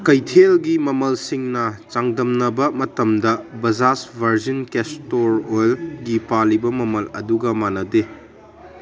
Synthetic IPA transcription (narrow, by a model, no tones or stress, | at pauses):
kɐjtʰelɡimɐmɐlsiŋnɐt͡ʃaŋdɐmnɐbɐmɐtɐmdɐbɐzasbʱɐɾzinkestoɾojlɡipalibɐmɐmɐlɐ̰duɡɐmanɐde